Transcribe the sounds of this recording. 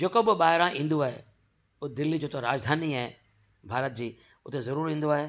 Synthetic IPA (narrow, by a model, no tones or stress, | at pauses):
d͡ʑeːkoɓɪɓaːɦɪɾãʔĩːn̆d̪oaːɦḛ | ʊd̪ɪlːid͡ʑoːt̪oɾaːd͡ʑd̪ʱaːniaːɦe | bʱaːɾət̪̚d͡ʑiː | ʊt̪ezɐɾuːɾɦĩːn̆d̪oaːɦeː